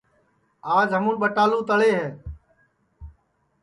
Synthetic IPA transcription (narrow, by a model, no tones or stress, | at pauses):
aːd͡ʒɦəmũːnɓəʈaːlũːt̪əɭeːɦɛː